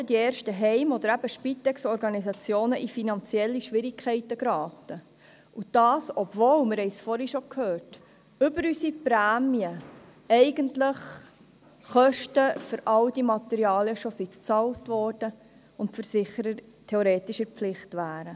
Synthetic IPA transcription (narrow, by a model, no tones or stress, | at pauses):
ədieːɾʃtəɦɛɪmɔd̪əɾæbəʃpit̪ɛksɔɾɡɑnisɑt͡sjoːnəʔifinɑnt͡siɛlːiʃʋɪɾikʰɛɪtːəɡɾɑːtə | ud̥ɑːsɔbvoːwmɪɾhɛɪsfɔɾhiʃokʰhøːrt | ʏbəɾysipɾæːmiə | ɛɪɡəntləχ | χœʃtəføɾʔɑldimɑt̪ɛɾiɑːliəʃosit͡sɑltʋɔːrd̥ə | ʊntfəɾsɪχəɾəɾ | tʰɛoɾeːt̪ɪʃəɾpflɪχtʋæːɾə